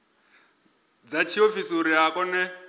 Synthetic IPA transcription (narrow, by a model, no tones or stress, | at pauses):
d͡zat͡ʃʰiofisuɾiakʼɔnɛ